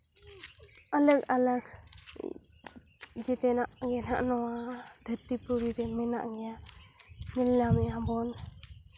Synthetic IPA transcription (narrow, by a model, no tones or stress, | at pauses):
alək̚alək | d͡ʒɛt̪ɛnaʔɡɛna̰ʔnɔwad̪ʱət̪ipuɾiɾɛmɛna̰ʔɡɛja | nilamɛabɔn